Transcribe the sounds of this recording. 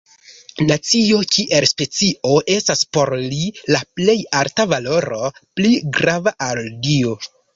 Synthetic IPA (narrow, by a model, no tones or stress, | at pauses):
nat͡sio̞kʰiʔelspe̞t͡sio̞ʔe̞staspo̞ɾlilaple̞jaɾtavalo̞ɾo̞pliɡɾavaʔaldio